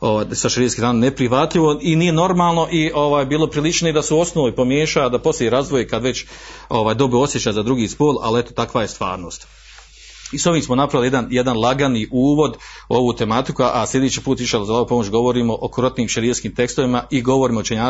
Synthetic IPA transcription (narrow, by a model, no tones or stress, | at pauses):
o̞ʋaːjsaʃɾiːeskizaːnnepɾiʋat̪ʎiʋo̞inije̞no̞ɾmaːlˠno̞ʔio̞ʋaːjbiːlˠo̞pɾilˠit͡ʃnoid̪aseo̞snoʋoipomje̞ːʃaːd̪apo̞slʲejeɾaːzʋojekad̪ʋe̞t͡ɕo̞ʋaːjd̪o̞boo̞sjet͡ɕaːjzad̪ɾuɡiːspoːla̰liet̪ot̪akʋajest̪ʋa̰ːɾno̞ːst̪ | iso̞ʋiːmsmonapɾaʋilied̪anjed̪anlˠaɡaniʔuːʋo̞d̪o̞ʋuːt̪e̞mat̪ikuʔaslʲe̞d̪et͡ɕiːpuːt̪ʋiʃelzalaopo̞mot͡ɕɡo̞ʋo̞ɾiːmo̞ʔokoɾot̪niːmʃeɾieskiːmt̪e̞kst̪oʋimaʔiɡo̞ʋo̞ɾiːmaot͡ʃeɲaː